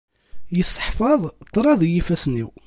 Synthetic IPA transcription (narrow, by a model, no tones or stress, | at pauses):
jəsˤːə̥ħfɑðˤt̪ˤːɾˤɑðˤjifæsnḭw